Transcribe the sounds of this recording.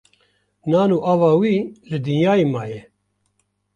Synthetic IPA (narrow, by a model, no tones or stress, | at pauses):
naːnuːʔaːvɑːwiːʒɨd̪ɨnjaːjimaːjɛ